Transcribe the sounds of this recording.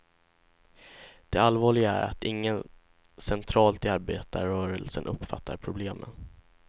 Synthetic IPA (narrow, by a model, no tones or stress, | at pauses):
d̪̥ɛalvɑːɭɪɡaæɾa̰t̪ɪŋːən | sɛnt̪ʰɾɑːlt̪ɪaɾbeːt̪əɾœːɾəlsənʔɵpːfat̪ʰːaɾpʰɾʊbleːmə̰n